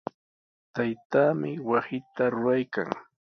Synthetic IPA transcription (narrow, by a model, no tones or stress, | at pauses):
t̪ajt̪aːmɪwasɪt̪aɾʊɾajka̰ŋ